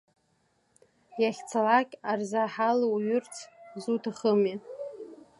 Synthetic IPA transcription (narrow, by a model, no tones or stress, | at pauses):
jaχʲt͡sʰalakʲʼarzaħalwɥʏrt͡sʰzutʰaχəmi